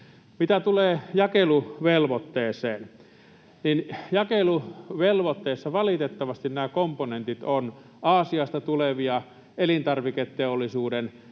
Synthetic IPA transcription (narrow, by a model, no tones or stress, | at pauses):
mit̪æt̪uleːjɑkeluʋelʋot̪ːeːseːn | ninjɑkeluʋelʋot̪ːeːsːɑʋɑlit̪et̪ːɑʋɑst̪innæːkomponent̪it̪on | ʔɑːsiɑst̪ɑt̪uleʋiɑ | elint̪ɑrʋiket̪teolːˑisuːden